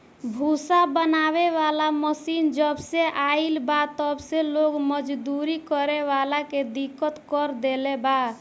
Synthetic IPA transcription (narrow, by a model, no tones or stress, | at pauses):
bʱusabənaβeʋalaməsind͡ʒəbseʔailbat̪əbseloɡməd͡ʒd̪uɾikəɾeʋalaked̪ikːət̪kəɾd̪eleba